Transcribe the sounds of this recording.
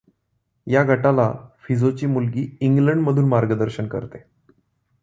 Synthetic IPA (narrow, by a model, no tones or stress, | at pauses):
jaɡʱəʈalafid͡zot͡ɕiːmulɡiːiŋɡləɳɖməd̪ʱuːnmaɾɡəd̪əɾɕəɳkə̰ɾt̪e